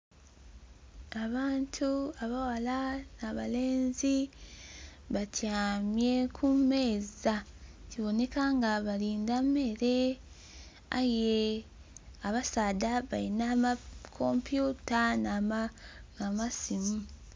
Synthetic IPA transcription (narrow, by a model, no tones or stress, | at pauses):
aβaːntʰuaβawalanaβale̞ːnzi | βatjaːmje̞kʰume̞ːzaciβo̞ne̞kaŋɡaβaɾiːndame̞ɾe̞ | a̰je | aβasadaβaɾinamakʰo̞mpjuːtanaaamasimu